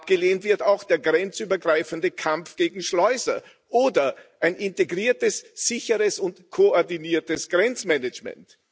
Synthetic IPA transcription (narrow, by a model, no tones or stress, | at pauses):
ap̚ɡ̥əleːntv̥ɪɐtaʊxd̥eːɐɡʁɛnt͡syːbɐɡʁaɪfəndəkʰamfɡ̥eːɡŋ̩ʃlɔʏsɐ | ʔoːdɐʔaɪnɪnteɡʁiːɐtəsz̥ɪçəʁəsʊntkʰoɔɐdiniːɐtəsɡ̥ʁɛnt͡smɛnət͡ʃmɛ̰nt